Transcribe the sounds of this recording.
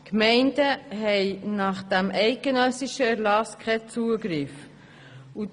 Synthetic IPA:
kmɛɪndəɦɛɪnɑχd̥æmʔɛɪk̚ɡ̥ənœsiʃəɛɾlɑskʁɛt͡suːəɡɾɪf | u

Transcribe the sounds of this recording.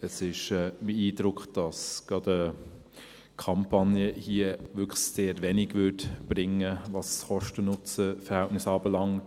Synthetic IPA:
əsɪʃɛbeiːdɾʊkχd̥ɑsɡ̥ɑdə | kʰɑmpʰɑnjəhiəvʏkseːtvɛnɪɡvʏtb̥ɾɪŋəvɑsχɔʃtənʊt͡səfɛɾhæltnɪsɑːbəlɑŋt

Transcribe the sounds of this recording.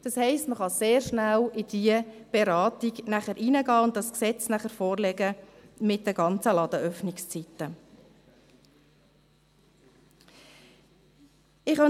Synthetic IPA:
d̥ɑshɛɪstməχɑseːɾʃnælɪd̪̥iəb̥eɾɑːtiɡnæχəɾʔiːnəɡɑːʊnt̚dɑsksɛt͡snæχəɾfɔːɾlɛɡəmɪt̚dɛɡɑnt͡səlɑd̥̪əœfnɪkst͡sit̪ːə | ɪχhɑ

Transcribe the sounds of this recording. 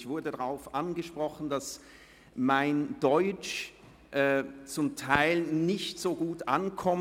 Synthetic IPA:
çv̥ʊɐdədaʁaʊfʔanɡəʃpʁ̥ɔχn̩das | maɪndɔʏt͡ʃ | ʔɛt͡sʊmtʰaɪlnɪçtz̥oːɡuːtʔa̰nkʰɔm

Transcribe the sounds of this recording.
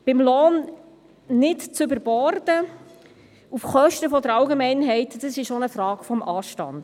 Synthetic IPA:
b̥ɪmlɔːn | nɪtt͡sʏbəɾbɔɾdə | ufχœʃtəfɔd̪əɾɑwɡemɛɪnɦɛɪtd̥əsɪʃonəfrɑːkfɔmɑːʃtɑ̰nd̥

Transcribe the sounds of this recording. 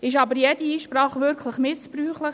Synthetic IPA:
ɪʃɑbəɾjɛd̥iiːʃpɾɑːχʋʏɾkʰlɪχmɪspɾyːχlɪχ

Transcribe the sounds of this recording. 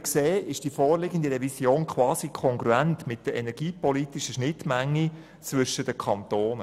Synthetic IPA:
kseːɪʃd̥ifɔːɾlɪɡən̩diɾɛvisjoːnkʰʋɑːsikʰɔŋɡɾuæntmɪt̚d̥əɛnɛɾɡ̥iːpɔlitiʃəʃnɪtmæŋːi | t͡svʏʃəd̥əkʰɑnt̪oːn

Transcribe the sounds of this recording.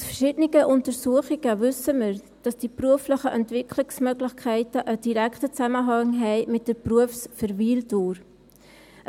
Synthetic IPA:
ʊsfərʃɪdəniɡ̥əʔʊntəɾsuəχɪɡ̥əvʏsəməɾ | d̥ɑsd̥ipruəfləχəʔɛntvɪkʰlɪksmœɡlɪçkʰæɪtəʔəd̥iɾækχtət͡sæməɦɑŋɦɛɪmɪt̚d̥əpruəfsfəɾviːlduːɾ

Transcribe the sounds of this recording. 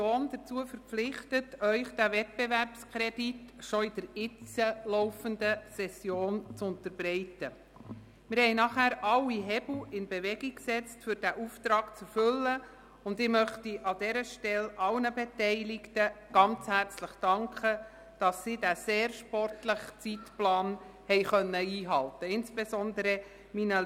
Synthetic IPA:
oːnd̥ət͡suəfəɾplɪχtətœʏχd̥ævɛt̚b̥eværpskʰɾɛd̥itʃɔɪd̥əɾɪt͡səlɔʊfəndəsɛsjoːnt͡sʊntəɾbɾɛɪtə | mɪɾhɛɪnɑχæːɾʔɑlːiɦɛbl̩ɪnbeʋɛɡiksɛt͡stfʏɾd̥æʔuftɾɑːkt͡sɛrfʏlːə | ʊndɪmœχtiʔɑdɛɾəʃtɛlɑlnəbetɛɪlɪktəɡ̥ɑnt͡shært͡sləχd̥ɑŋkʰχə | d̥ɑsːiːdæseːrʃpɔrtləχt͡sitplɑːnhɛjχœnːəiːɦɑltəɪnsb̥esɔndəɾə | minə

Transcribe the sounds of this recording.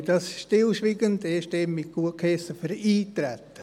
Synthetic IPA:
d̥ɑsʃtɪlʃʋiːɡəndeʃteːmmɪt̚ɡ̥uəkʰɛsəfəɾiːtɾɛt̪ːə

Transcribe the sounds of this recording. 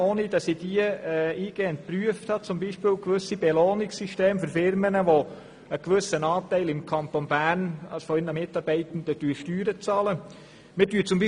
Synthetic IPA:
oːnid̥ɑsid̥iəɛiːɡ̥eːənt̚pryəfthɑt͡sʊmbiʃpɪːlkʋɵsib̥ɛloːnɪksyʃteːmføɾfɪɾmənəʋo | əkʋɵsənɑːtɛɪlɪmkʰɑnt̪onbæːrnɑ̰sfɔɪnəmɪtɑɾb̥ɛɪt̪n̩dətyːʃtyːɾət͡sɑːlə | mɪdyːt͡sʊmbi

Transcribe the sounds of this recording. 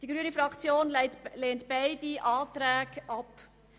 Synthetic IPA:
d̥iɡɾyənifɾɑkt͡sjoːnleːntb̥aɪdiʔɑːtɾɛːɡɑp

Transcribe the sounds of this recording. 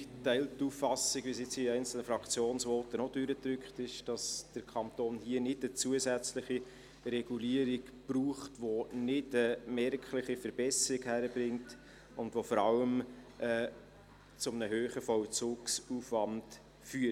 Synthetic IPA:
tɛɪltːuːfɑsiɡvʋisɪt͡siɛɪnt͡sl̩nəfɾɑkt͡sjoːnsʋɔtənɔd̥ʏɾətɾʏkχtɪʃd̥ɑsd̥əɾkʰɑntoːnhiənɪdət͡suəzæt͡sləχi | ɾɛɡ̥uliəɾikb̥ɾuːχtʋonɪdəmɛrkχlɪχifəɾb̥ɛsəɾɪɡhæɾəbɾɪŋt | ʊndʋofɔɾɑləm | ɛ | t͡sʊmnəɦøːχəfɔwt͡sʊːksuːfʋɑnd | fyːə

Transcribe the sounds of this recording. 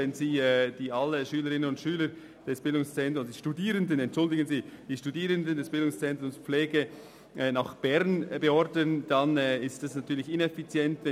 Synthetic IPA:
ɛnziːɛd̥iːʔaləʃyːləɾɪnənʊntʃyːləɾ | d̥ɛsb̥ɪldʊŋst͡sɛntɾʊmsd̥iːʃtudiːɾəndənɛntʃʊldɪɡənziːd̥iːʃtudiːɾəndəndɛsb̥ɪldʊŋst͡sɛnt̪ʊmspflɛːɡə | naχb̥ɛʁnbəɔɾdənd̥anɛɪstɛsnatʰyːɐlɪçɪnɛfit͡sjɛntvɛ

